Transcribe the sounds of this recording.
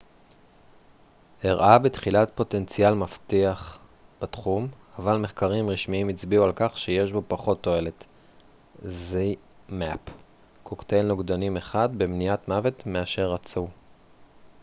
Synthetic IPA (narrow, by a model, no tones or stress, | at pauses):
eʁʔabetχilatpo̞te̞nt͡sjalmaftiaχ | b̥atχum | avalme̞χkaʁimʁiʃmiimit͡sbiualkaχʃeje̞ʃbo̞paχo̞tːo̞e̞le̞t | zi | map | kʰokte̞lnoɡdanime̞χad̪bemniatmave̞tmeaʃe̞ʁat͡su